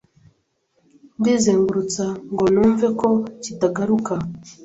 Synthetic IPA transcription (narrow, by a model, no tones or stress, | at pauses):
mdizeŋɡuɾut͡saŋɡonuɱvekocitaɡaɾuka